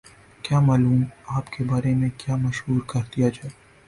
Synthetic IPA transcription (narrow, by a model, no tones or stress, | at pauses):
kjaːmaːluːmaːpkebaːɾemẽkjaːmɐʃɦuːɾkɐɾd̪ijad͡ʒaː